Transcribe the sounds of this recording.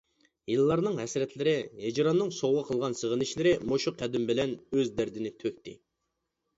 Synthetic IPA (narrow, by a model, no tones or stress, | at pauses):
jilˠːɑɾnɨŋɦɛsɾɛt̪lɪɾɪɦed͡ʒɾɑnːɨŋsowʁɑqʰəlˠʁɑnsəʁənɪʃlɪɾɪmoʃuqʰːæd̪ɪmbɪlɛnøzd̪æɾd̪ɪnɪt̪ʰøk̚ʲt̪ɪ̰